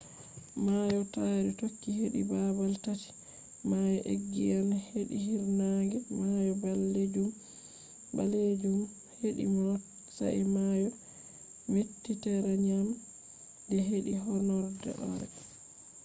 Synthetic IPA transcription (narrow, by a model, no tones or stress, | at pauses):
majɔtaɾɛtokːiɦeɗḭbabaltati̥ | majɔʔeɡːijanheɗḭhiɾnaŋɡɛmajɔbalːed͡ʒum | ba̰led͡ʒum | heɗḭmɔ | sa̰imajɔ | metːitɛɾaɲam | dɛɦeɗiɦɔnɔɾdɛ̰ʔɔ̰ɾɛ̰